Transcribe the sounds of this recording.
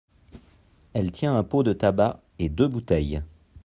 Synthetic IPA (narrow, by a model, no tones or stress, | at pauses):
ɛlt̪jɛ̃ɛ̃pod̪ət̪aba | ed̪øbut̪ɛj